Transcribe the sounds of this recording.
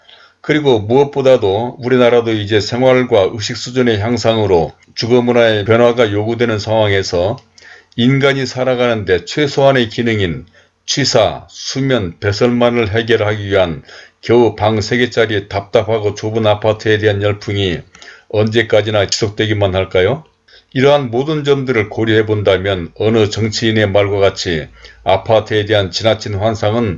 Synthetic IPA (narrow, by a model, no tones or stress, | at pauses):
kɯɾiɡomuʌp̚p͈odadouɾinaɾadoid͡ʑe̞sʰe̞ŋɦwaɭɡwaɯɕ̬ʰik̚s͈ud͡ʑune̞çjaŋsʰaŋɯɾo | t͡ɕuɡʌmunaepjʌnwaɡajoɡudwe̞nɯnsʰaŋɦwaŋe̞sʰʌ | inɡaɲisʰaɾaɡanɯnde̞t͡ɕʰwe̞sʰoane̞kinɯŋin | t͡ɕʰwisʰa̰sʰumjʌnpe̞sʰʌɭmanɯɭɦe̞ɡjʌɾɯɭɦaɡiɥiɦankjʌupaŋsʰe̞ɡe̞t͡ɕ͈aɾitap̚t͈apʰaɡot͡ɕobɯnapʰatʰɯe̞de̞ɦanjʌɭpʰuŋiʌnd͡ʑe̞k͈ad͡ʑinaki̥sʰok̚t͈we̞ɡimanhaɭk͈ajo | iɾʌɦanmodɯnd͡ʑʌmdɯɾɯɭkoɾiɦe̞bondamjʌnʌnɯt͡ɕʌŋt͡ɕʰiːne̞maɭɡwaɡat͡ɕʰia̰pʰatʰɯe̞de̞ɦant͡ɕinat͡ɕʰinɸwansʰaŋɯn